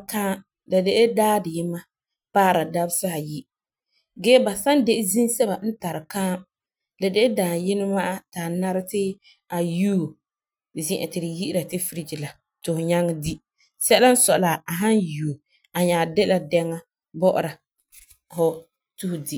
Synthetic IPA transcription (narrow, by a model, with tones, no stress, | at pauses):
kãː˦ | la˨de˦ʔɪ˦daː˦dɪ˨jɪ˦ma˦ | paː˦˨ɾa˨da˦bsa˦ha˨ji˦ | ɡɛː˦ba˨sa˦nde˦ʔɪ˦zi˦nsɛ˦ba˨n̩˦ta˨ɾɪ˨kaː˦ | la˨de˦ʔɪ˦dãː˨jɪ˦nɪ˦ma˦ʔa˦taː˨na˦ɾɪ˦tɪ˦ | a˨ju˦˨ | zɪ̃˦ʔɛ̰˨tɪ˨ɾɪ˨ji˦ɪ˦ɾa˨tɪ˦fi˨ɾi˦d͡ʒi˨la˨ | tʊ˨hʊ˨ɲa˦ŋːa˦di˦ | sɛ˦la˦n̩˦sɔ˨ʔla˨a˨ɦa˦nju˨o˨ | a˨ɲaː˨de˦la˨dɛ˦ŋːa˦ | bɔ˦ʔʊ̰˨ɾa˨ | hʊ˦ | tu˦hʊ˨di˦